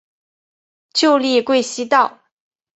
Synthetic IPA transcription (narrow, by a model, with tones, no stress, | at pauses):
t͡ɕjo˥˧ʊli˥˧kwe˥˩ɪɕi˥t̪ɑ˥˩ʊ